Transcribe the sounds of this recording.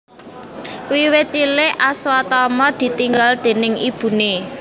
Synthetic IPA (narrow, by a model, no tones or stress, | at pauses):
wiwet͡ʃileʔaswat̪ɔmɔd̪̥i̤t̪iŋɡald̪̥e̤nɪŋib̥ṳne